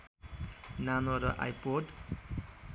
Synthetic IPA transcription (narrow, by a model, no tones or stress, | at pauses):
nanoɾʌʔa̰jpoɖ